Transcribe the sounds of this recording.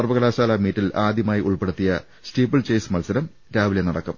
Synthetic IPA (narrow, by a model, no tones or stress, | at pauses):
ɐrʋɐɣɐlaːɕaːlaːmiːtːilaːd̪jɐmaːjiʔuɭpe̞ɽut̪ːijɐ | stiːpːɐɭt͡ɕejsmɐlsɐɾɐm | ɾaːʋilenɐɽɐkːɐm